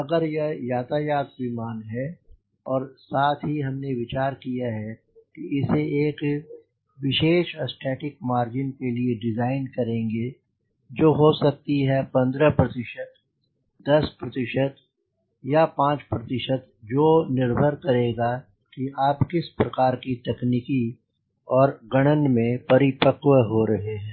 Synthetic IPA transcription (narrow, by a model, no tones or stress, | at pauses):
ɐɡəɾjejaːt̪ajaːt̪̚bimaːnɦɛ | ɔːɾsaːt̪ʰɦiɦɐmneʋɪt͡ʃaːɾkijaɦɛ | kiɪseeːk | ʋɪʃeːʃɐsʈʰɛːʈɪkmaːɾd͡ʒɪnkelieɖɪzaːɪnkɐɾẽːŋɡe | d͡ʒoːɦosɐk̚t̪iɦɛpɐ̃nd̪ɾəpɾɐt̪ɪʃət̪ | d̪ɐspɾɐt̪ɪʃət̪ | japãːt͡ʃpɾɐt̪ɪʃət̪ | d͡ʒoːnɪɾbʱəɾkɐɾeːɡa | kiaːpkɪspɾɐkaːɾkit̪ɛkniki | ɔːɾɡɐɽ̃ənmẽpɐɾɪpəqwəɦoɾɐɦeɦɛ̃ː